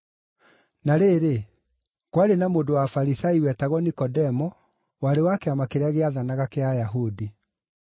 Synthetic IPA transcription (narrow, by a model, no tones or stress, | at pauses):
naɾeːɾe | kwaɾenamoːdowafaɾisaiwɛtaɣɔnikɔdɛmɔ | waɾewakɛamakeɾaɣeaðanaɣakeajaɦudi